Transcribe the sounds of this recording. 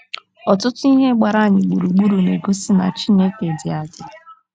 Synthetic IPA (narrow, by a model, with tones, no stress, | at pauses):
ɔ˨tʊ˦tʊ˦i˦ɦe˦ɡ͡ba˨ɾa˦˨ɲɪ˨ɡ͡bu˨ɾu˨ɡ͡bu˦ɾu˨ne˨ɡo˦si˦na̰˨t͡ʃi˦ne˦ke˨dɪ˨a˨dɪ˨